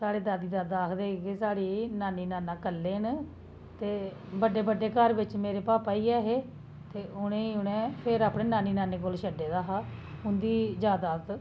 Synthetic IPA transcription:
saːɽeːd̪aːd̪iːd̪aːd̪aːkʰd̪eːkɪsaːɽiːnaːniːnaːnãːkəlːeːn | t̪eː | bəɖeːbəɖːeːkəɾbɪt͡ʃmeːɾeːpaːpaːiːɛːɦeː | t̪eːʊnẽːiʊnẽːpʰɪɾaːpɽẽːnaːniːnaːneːkʊlʃəɖeːd̪aːɦaːʊnd̪iːd͡ʒaːd̪aːt̪

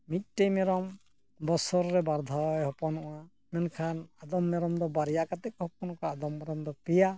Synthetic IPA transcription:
mit̪̚ˀʈejmɛɾɔm | bɔsɔɾːɛbaɾd̪ʱawɛɦɔpɔnɔʔa | mɛnkʰanad̪ɔmːɛɾɔmd̪ɔbaɾijakat̪ɛk̚hɔp̚ɔnɔkaːd̪ɔmːɛɾɔmd̪ɔpija

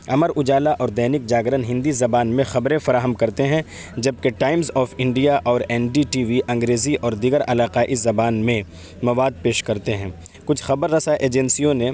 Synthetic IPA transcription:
ɐməɾʊd͡ʒaːlaʔɔːɾd̪ɛːnɪk̚d͡ʒaːɡɾənɦɪ̃nd̪izɐbaːnmẽxɐbɾẽfɐɾaːɦəmkɐɾt̪eɦɛ̃ | d͡ʒɐb̚keʈaːɪmzɔːfɪ̃ɳɖijaʔɔːɾɛːnɖiʈiːʋiʔɐ̃ŋɡɾeːziʔɔːɾd̪iɡəɾɐlaːqaːʔizɐbaːnmẽ | mɐʋaːd̪̚peːʃkɐɾt̪eɦɛ̃ː | kʊt͡ʃʰxɐbəɾːɐsaʔeːd͡ʒɛnsijõne

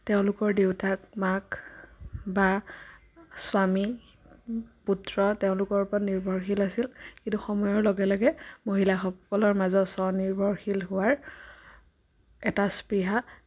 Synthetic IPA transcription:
teʊ̃lʊkɔɹdeʊtakmak | ba | swami | putɹɔteʊ̃lʊkɔɹpɔtniɹbʱɔɹxilasilkintuxɔmɔjɔɹlɔɡɛlɔɡɛmoɦilaxɔɔlɔɹmazɔtsɔniɹbʱɔɹxilɦʊwaɹ | ɛtaspɹiɦa

